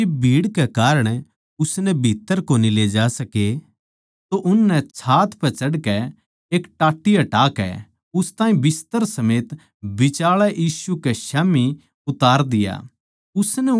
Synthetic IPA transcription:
ebʱiːɽkekaːɾəɽ̃ | ʊsnɛbʱiːt̪ːəɾkoːnileːd͡ʒaːsɐke | t̪oʔʊnːɛt͡ʃʰaːt̪pɛt͡ʃɐɽkɛ | eːkʈaːʈːɪjaʈaːkɛ̰ | ʊst̪aːĩbɪst̪əɾsɐmeːt̪ | bɪt͡ʃaːɭɛʔiːsukeʃaːmi | ʊt̪aːɾd̪ɪja̰ | ʊsnɛ

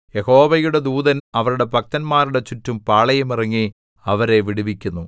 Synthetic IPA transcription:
jeho̞ːʋɐjuɽe̞d̪uːðɐnɐʋɐɾuɽe̞pɐk̚t̪ɐnmaːɾuɽe̞t͡ɕutːumpaːɭɐjumirɐŋːi | ɐʋɐɾe̞ʋiɽiʋikʲːunːu

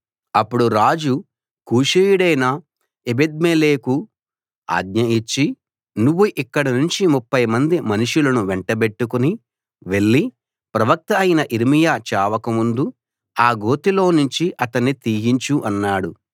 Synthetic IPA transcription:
ɐpːuɽuɾaːd͡ʒu | kuːʂejuɽɐjnɐ | ebed̪̚meːleːku | a̰ːɡ̪ɲɐit͡ʃːi | nuʋːuʔikːɐɽɐnuɲt͡ʃimupːɐjmɐnd̪imɐnuʂulɐnuʋeɳʈɐbe̞ʈːukuni | ʋe̞ɭːi | pɾɐʋɐk̚t̪ɐːjinɐʔiɾimijaːt͡ʃaːʋɐkɐmund̪u | aːɡo̞ːt̪ilo̞ːnuɲt͡ʃiʔɐt̪ɐnːit̪iːɦiɲt͡ʃuʔɐnːaːɽu

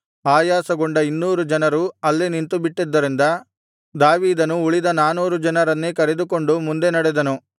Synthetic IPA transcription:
aːjaːsɐɡoɳɖɐinːuːɾud͡ʒɐnɐɾuɐlːinint̪ubiʈːid̪ːɐɾind̪ɐ | d̪aːʋiːd̪ɐnuuɭid̪ɐnaːnuːɾud͡ʒɐnɐɾɐnːekɐɾed̪uko̞ɳɖumund̪e̞nɐɽed̪ɐnu

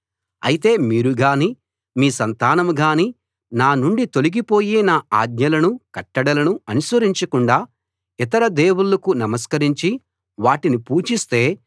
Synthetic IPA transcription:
ɐ̰jit̪e̞ːmiːɾuɡaːniː | miːsɐnt̪aːnɐmɡaːni | naːnuɳɖit̪oliɡipo̞ːjeːnaːa̰ːd̪̚ɲɐlɐnukɐʈːɐɽɐlɐnuɐnusʋɐɾiɲt͡ʃɐkuɳɖaː | it̪ɐɾɐd̪eːwuɭːɐkunɐmɐskɐɾiɲt͡ʃi | ʋaːʈinipuːt͡ʃist̪e̞ː

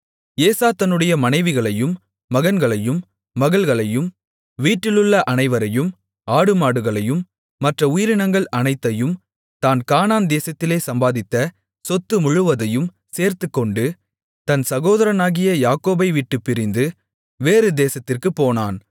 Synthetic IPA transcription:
eːsaːt̪ɐnːɯɽɐjɐmɐnɐɪʋɪɣɐɭɐjɯmː | ɐɣɐnɡɐɭɐjɯmː | ɐɣɐɭɣɐɭɐjɯm | ʋiːʈːɪlɯɭːɐʔɐnɐɪʋɐɾɐjɯm | aːɽɯmaːɽɯɣɐɭɐjɯmː | ɐʈrɐʊjɪɾɪnɐŋɡɐɭʔɐnɐɪt̪ːɐjɯm | t̪aːnkaːnaːnd̪eːsɐt̪ːɪleːsɐmbaːðɪt̪ːɐ | sɔt̪ːɯmʊɻɯʋɐðɐjɯm | seːɾt̪ɯkːɔɳɖɯ | t̪ɐnsɐɣoːðɐɾɐnaːɣɪjɐjaːkoːbɐɪʋiːʈːɯpːɪɾɪnd̪ɯ | ʋeːɾɯd̪eːsɐt̪ːɪrkɯpːoːnaːn

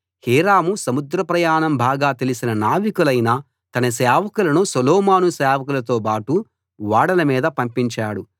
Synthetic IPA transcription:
hiːɾaːmusɐmud̪ɾɐpɾɐjaːɳɐmbʱaːɡaːt̪elisinɐnaːʋikulɐjnaː | t̪ɐnɐsɛːʋɐkulɐnusɐlɔːmaːnusɛːʋɐkulɐt̪̬oːpaːʈu | ʋaːɽɐlɐmiːd̪ɐpɐmpiɲt͡ʃaːɽu

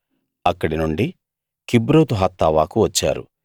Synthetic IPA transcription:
ɐkːɐɽinuɳɖi | kibɾoːt̪uɦɐt̪ːaːʋaːkuʋɐt͡ʃːa̰ːɾṵ

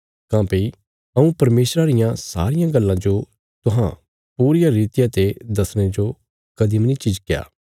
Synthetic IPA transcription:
kãːpii | ɐũpɐɾmeːsɾaɾɪjãsa̰ːɾɪjãɡɐlːãd͡ʒo | t̪ʊɦã̰ | puːɾɪjaɾiːt̪ɪjat̪ed̪ɐsɽ̃ed͡ʒo | kɐd̪imnit͡ʃid͡ʒkɪja̰ː

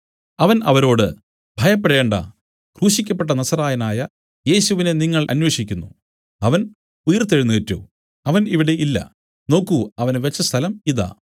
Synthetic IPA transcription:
ɐʋɐnɐʋɐɾo̞ːɽɨ | bʱɐjɐpːeɽe̞ːɳɖɐ̰ | kruːɕikʲːɐp̬ːe̞ʈːɐnɐsɐraːjɐnaːjɐ | je̞ːɕuʋine̞niŋːɐɭʔɐ̰nwe̞ːʂikʲːunːu | ɐʋɐn | ujɐrt̪ːeɻunːuʋetːṵ | ɐʋɐniʋiɽe̞ʔilːɐ̰ | no̞ːkːuɐʋɐnʋet͡ɕːɐst̪ʰɐlɐmiða̰ː

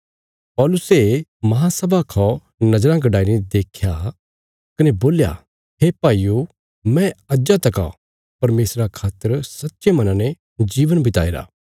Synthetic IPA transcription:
pɔːlʊsemɐɦãsɐbʱakʰɔ | nɐd͡ʒɾãɡɐɖaːɪɾid̪eːkʰja | kɐneboːlja̰ | ɦepaːijo | mɛ̃ɐd͡ʒat̪ɐka̰o̰ | pɐɾmeːsɾakʰaːt̪əɾsɐtːʃemɐnãːnɛ̃ | d͡ʒiːʋənbɪt̪a̰ːeɾa̰ː

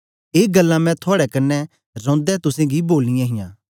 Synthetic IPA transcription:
eːɡəlːãmɛ̃t̪ʰʊaːɽɛkɐnːɛ | ɾɔ̃ːnd̪ɛt̪ʊsẽːɡiboːlːɪ̃jãːɦɪjã̰ː

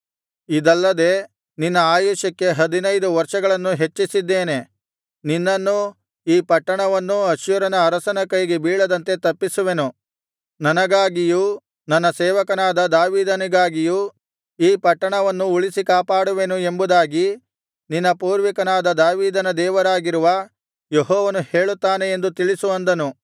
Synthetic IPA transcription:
id̪ɐlːɐd̪e̞ | ninːɐaːjuːʃɐkːe̞ɦɐd̪inɐjd̪uʋɐɾʂɐɡɐɭɐnːuɦe̞t͡ʃːisid̪ːeːne̞ | ninːɐnːu | iːpɐʈːɐɳɐʋɐnːuɐʃjuɾɐnɐːɾɐsɐnɐkɐjɡebiːɭɐd̪ɐnt̪e̞t̪ɐpːisuʋe̞nu | nɐnɐɡaːɡijuː | nɐnːɐsɛːʋɐkɐnaːd̪ɐd̪aːʋiːd̪ɐniɡaːɡijuː | iːpɐʈːɐɳɐʋɐnːuuɭisikaːpaːɽuʋe̞nue̞mbud̪aːɡi | ninːɐpuːɾʋikɐnaːd̪ɐd̪aːʋiːd̪ɐnɐd̪ɛːʋɐɾaːɡiɾuʋɐ | jeɦɔːʋɐnuheːɭut̪ːaːne̞end̪ut̪iɭisuɐnd̪ɐnu

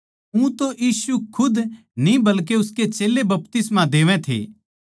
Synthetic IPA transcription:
ũt̪oʔjiːsukʰʊd̪ | nĩbɐlk̬eʊsket͡ʃeːlebɐpt̪ɪsmãd̪eːʋɛ̃t̪ʰḛː

